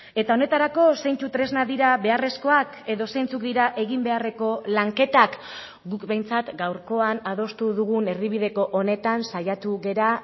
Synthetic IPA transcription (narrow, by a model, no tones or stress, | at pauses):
e̞t̪ao̞ne̞t̪aɾako̞sejnt͡sut̪ɾe̞znaðiɾaβe̞are̞sko̞ak | e̞ðo̞sejnt͡suk̚d̪iɾaʔe̞ɣimbe̞are̞ko̞laŋke̞t̪ak | ɡukbe̞jnt͡sat̪ɡawɾko̞anað̞o̞st̪uðuɣ̞une̞ɾðiβ̞iðe̞ko̞ʔone̞t̪ansajat̪uɣe̞ɾa